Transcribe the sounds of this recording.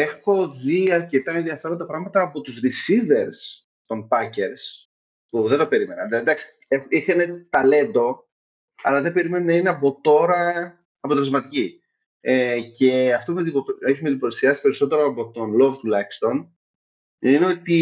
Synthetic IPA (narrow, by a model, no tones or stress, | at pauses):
e̞xo̞ðiɐɾce̞t̪ɐenðiɐfe̞ɾo̞nd̪ɐpɾɐɣmɐt̪ɐːpo̞t̪uzɾisive̞ɾs | t̪o̞mpɐce̞ɾs | puðe̞nd̪o̞pe̞ɾime̞nɐnðlɐd̪ɐksi̥exixɐne̞t̪ɐle̞nd̪o̞ | ɐ̰lɐðe̞be̞ɾime̞nonɐineɐpo̞t̪o̞ɾɐ | ɐpo̞t̪elzmɐt̪ici | ece̞ɐft̪o̞pumeioeçimed̪ipoθesiɐsi̥pe̞ɾiso̞t̪e̞ɾoɐpo̞t̪o̞nlo̞vt̪ulɐçist̪o̞n | ineo̞t̪i